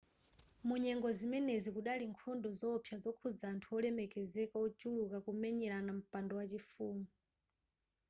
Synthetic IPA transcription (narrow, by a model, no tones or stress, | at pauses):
muɲɛŋɡɔzimɛnezikuɗaliŋkʰɔndɔzɔpʰjazɔkʰud͡zaːntʰuɔlɛmɛkɛzɛkaɔt͡ʃulukakumɛɲɛɾanam̩pandɔwat͡ʃifuːmu